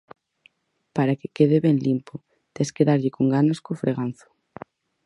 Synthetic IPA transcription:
paɾakekeðeβɛnlimpʊ | t̪eskeðaɾʎɪkoŋɡanoskofɾʔeɣan̟θʊ̥

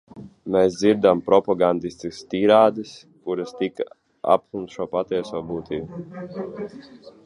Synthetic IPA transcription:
mɛːsd̪ziɾd̪ampɾɔpaɡand̪isʲt̪ʲist̪iːɾaːd̪ɨs | kuɾɐst̪ika | a̰pkˠumt̪ʃuɔpat̪iɛsoːbuːt̪iːbu

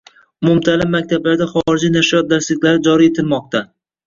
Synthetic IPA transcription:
ʊmʊmt̪ʰalɪbːak̚ʲt̪ʰablaɾd̪aχɒɾɪd͡ʒinaʃijɒt̪̚d̪aɾslɪkʲlaɾɪd͡ʒɒɾie̞t̪ʰɪlmɒq̚t̪ʰa

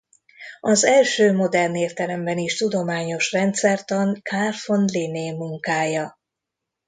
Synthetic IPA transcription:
ɒzɛlʃøːmo̞d̪ɛrneːrt̪ɛlɛmbɛniʃt̪ud̪omaːɲo̞ʃrɛnt̪sɛrt̪ɒŋkʰaːrfo̞nlineːmuŋkaːjɒ

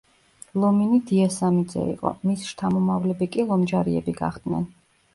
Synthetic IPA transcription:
lˠɔminid̪iasamid̪zɛ̰ḭqʼɔ̰misʃt̪ʰamɔmavlɛbikʼilˠɔmd͡ʒaɾiɛ̰biɡa̰χd̪̥nɛ̰n

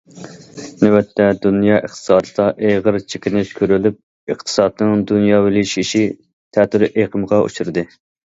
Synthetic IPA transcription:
nɪwɛt̪ʰːɛd̪unjɑːʔəχt̪ʰɨ̥sɑːd̪ɨd̪ɑʔeʁəɾt͡ʃʰi̥kʲʰɪnɪkʲʰøɾylyp̚ | ɨχt̪ʰɨ̥sɑd̪̚nɨŋd̪unjɑːwɪlɪʃiʃi | t̪ʰɛt̪yɾʔeqʰəmʁɑʔṵt͡ʃʰuɾɨd̪ɨ

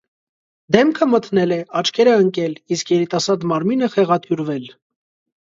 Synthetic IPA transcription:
d̪ɛmkʰəmət̪nɛlɛɑt͡ʃkʰɛɾɛəŋkɛliskjɛɾit̪ɑsɑɾd̪mɑɾminəχɛʁɑt̪ʰjuɾvɛl

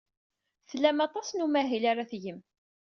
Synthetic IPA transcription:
θlæmɑt̪ˤɑsnumæɦilaɾaθjəm

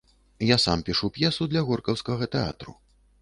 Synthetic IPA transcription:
jasampʲiʂupjɛsud̪lʲɐɣɔrkɐwskɐɣɐt̪ɛa̰t̪ɾṵ

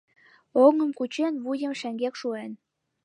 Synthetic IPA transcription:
oŋə̆mkut͡ɕenβujə̆mʃæŋɡekʃuen

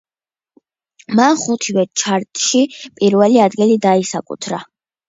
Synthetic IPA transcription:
manχut̪ʰivɛt͡ʃʰaɾt̪ʼʃipʼiɾvɛliad̪ɡilid̪aisakʼṵt̪ʰɾa

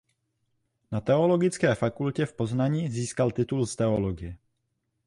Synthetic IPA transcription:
nat̪ɛo̞lo̞ɡɪt͡skɛːfakulcɛfpo̞znaɲiːziːskalt̪ɪt̪ulst̪ɛoloɡɪjɛ

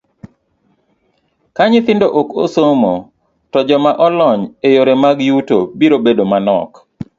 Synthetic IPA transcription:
kaɲɪt̪ɪndoʔokosomo | tɔd͡ʒɔmaʔɔlɔɲejoɾemaɡjutobiɾobedomanɔ̰k

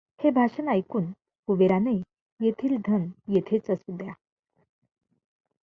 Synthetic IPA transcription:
hebʱaɕənajkuːn | uʋeɾane | jet̪ʰiːld̪ʱənjet̪ʰet͡səsud̪ja

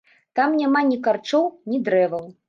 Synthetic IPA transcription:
t̪amnʲamanʲikart͡ʂɔwnʲid̪ɾɛvɐw

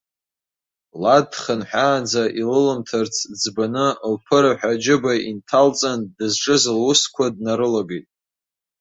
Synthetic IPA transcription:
ladχənħʷᶣaːd͡zaʔilɨlɨmtʰart͡sʰd͡zbanɨlpʰɨɾaħᶣad͡ʒɪbaintʰalt͡sʼandɨzʈ͡ʂʼɨzlwʊskʷʰadnaɾɨlaɡejtʼ

